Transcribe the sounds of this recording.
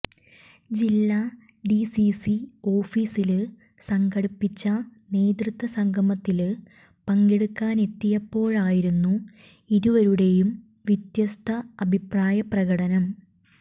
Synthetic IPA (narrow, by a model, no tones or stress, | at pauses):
d͡ʑilːɐ | ɖisisio̞ːfiːsilɨ | sɐŋɡɐɽipːit͡ɕːɐne̞ːd̪rɨt̪ʋɐsɐŋɡʱɐmɐt̪ːil | pɐŋɡeɽukːaːne̞t̪ːijɐpːo̞ːɭaːjiɾunːu | iðuʋɐɾuɽe̞jum | ʋjit̪jɐst̪ʰɐɐbʱipraːjɐprɐɣɐɽɐnɐm